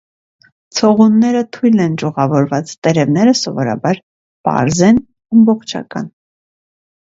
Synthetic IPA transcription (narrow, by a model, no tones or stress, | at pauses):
t͡sʰɔʁunːɛɾət̪ʰujlɛnd͡ʒuʁɑvɔɾvɑt͡st̪ɛɾɛvn̪ɛɾəsɔvɔɾɑ̰bɑɾ | pɑ̰ɾzɛn | ɑmbɔχt͡ʃʰɑ̰kɑn